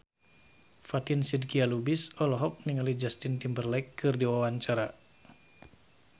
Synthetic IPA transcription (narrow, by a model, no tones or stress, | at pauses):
fat̪insid̚kialubisɔlɔɦɔk̚niŋalid͡ʒast̪ɪnt̪imbərlakːɨrdiwawaɲt͡ʃaɾa